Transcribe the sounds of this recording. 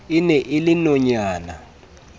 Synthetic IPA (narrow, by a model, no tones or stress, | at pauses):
inɛʔilinɔɲaːna